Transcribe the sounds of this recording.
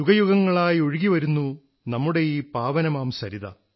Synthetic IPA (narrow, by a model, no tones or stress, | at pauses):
juɡɐjuɣɐŋːɐɭaːjo̞ɻiɣiʋɐɾunːu | nɐmːuɽe̞jiːpaːʋɐnɐmaːmsɐɾiðɐ̰